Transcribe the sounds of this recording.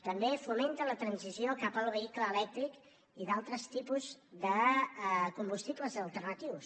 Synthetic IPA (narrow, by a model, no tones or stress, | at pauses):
t̪əmbefumẽnt̪ələt̪ɾənziziokapəlˠβəikləːlɛk̚t̪ɾik | iðalˠt̪ɾəst̪ipuzðə | kumbust̪ipləzəlˠt̪ərnət̪iws